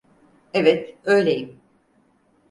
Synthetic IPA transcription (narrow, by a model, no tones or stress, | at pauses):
evɛt̪ø̞jlʲejim